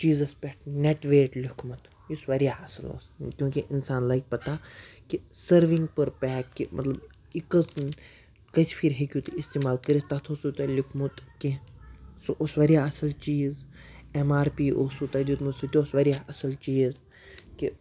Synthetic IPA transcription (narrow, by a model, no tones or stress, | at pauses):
t͡ʃiːzɐspʲɛʈneʈʋeːʈlʲʊkʰmɐt̪ʰ | jusʋɐɾijaɐsɐlo̰ːskjõːkiʔɪnsaːnlajk̚pɐt̪akisɐɾʋĩŋɡ̚pɐɾpɛːimʔɐt̪lɐb | ikəs | kɐt͡ʃʰpʰiɾɦekʲjut̪ist̪eːmaːlkɐɾist̪ɐt̪ʰosut̪ɐlʲukʰmut̪kisʔosʋɐɾijaɐsɐlt͡ʃiːzemaːɾpiːʔosut̪ɐd͡ʒit̪musit̪oosʋɐɾʲijaɐsɐlt͡ʃiːz | ki